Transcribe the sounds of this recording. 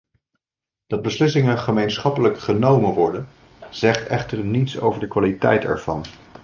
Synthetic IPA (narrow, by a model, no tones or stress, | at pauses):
d̥ɑd̚bəslɪs̬ɪŋənχəmejnsχɑpələkχənowmənʋɔɹdən | z̥ɛχtɛχtəɹnitso̰wvəɹdəkʋaːlitɛ̰jtɛ̰ɹv̥ɑ̰n